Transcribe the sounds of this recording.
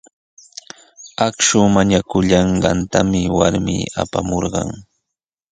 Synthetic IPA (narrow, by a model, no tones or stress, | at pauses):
akʃʊmaɲakʊʎɑɴɢɑnt̪amɪwaɾmiːa̰pamoɾɢɑŋ